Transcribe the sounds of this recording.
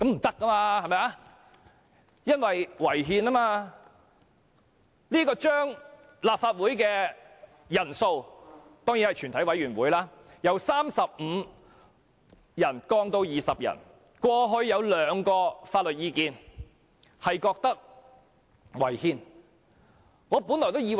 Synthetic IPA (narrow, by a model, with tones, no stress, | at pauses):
kɐ˨˥m̩˨˩t̪ɐ˥kːɐ˥maː˧hɐ˨˩mɐ˨˧ja˧˥ | jɐ˥nwɐ˨jwɐ˨˩jɦiː˧naː˥maː˧ | liː˥kɔː˧t͡ʃœː˥ŋ | laː˨p̚faː˧t̚wu˨˥jkɛː˧ | jɐ˨˩nso˧w | t̪ɔː˥ŋjiː˨˥nhɐ˨jt͡ʃʰy˨˩nʰɐ˨˥jwɐ˨˥jɥyː˨˩nwuː˨˥jlaː˥ | jɐ˨˧wsaː˥msɐ˨p̚m̩ː˨˧ | jɐ˨˩nkɔː˧ŋt̪o˧wjiː˨˩sɐ˨p̚jɐ̰˨˩n | kwɔː˧ɦɵ˧ɥːɐ˨˧wlœː˨˥ŋkɔː˧faː˧t̚lɵ˨t̚jiː˧kiː˧n | hɐ˨jkɔː˧k̚t̪ɐ˥k̚ | wɐ˨˩jhiː˨˧n | ŋɔː˨˧puː˨˥nlɔː˨˩jt̪o˥wjiː˧